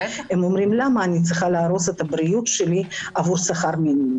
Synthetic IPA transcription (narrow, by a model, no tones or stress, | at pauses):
emo̞mɾimlamɐːnʲit̪t͡s̪iχalaːɾo̞set̪ɐbɾijut̪ʃeliavuɾsaχaɾminim